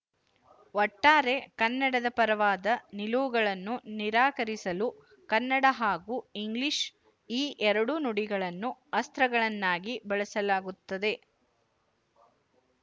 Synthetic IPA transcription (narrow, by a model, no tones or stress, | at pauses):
ɔʈːaːɾe̞kɐnːɐɽɐd̪ɐpɐɾɐʋaːd̪ɐniluʋuɡɐɭɐnːuniɾaːkɐɾisɐlu | kɐnːɐɽɐɦaːɡuiŋɡliʂ | iːʔɛɾɐɽunuɽiɡɐɭɐnːuɐst̪ɾɐɡɐɭɐnːaːɡibɐɭɐsɐlaːɡut̪ːɐd̪e̞